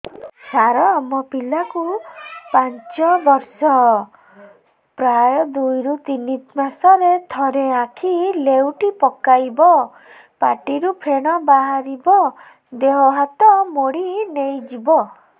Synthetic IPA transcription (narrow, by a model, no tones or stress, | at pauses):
saɾɔːmɔpilakupant͡ʃɔbɔɾsɔ | pɾajɔd̪ujɾut̪init̪masɔɾet̪ʰɔɾeakʰilewʈipɔkajbɔ | paʈiɾupʰeɽ̃ɔbaɦaɾibɔ | d̪eɦɔɦat̪ɔmoɽinejd͡ʒibɔ